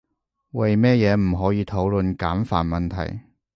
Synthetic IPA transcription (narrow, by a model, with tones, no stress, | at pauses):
wɐ˨jmɛː˥jɛː˨˧m̩˨˩ɦɔː˨˥jiː˨˧t̪ʰo˨˥wlɵ˨nkaː˨˥mfaː˨˩nmɐ˨nt̪ʰɐ̰˨˩j